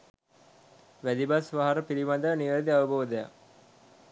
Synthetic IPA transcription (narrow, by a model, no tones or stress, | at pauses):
ʋæd̪ibasʋaɦɐɾəpiɾiʋɐd̪əniʋəd̪iaʋəboːd̪əja̰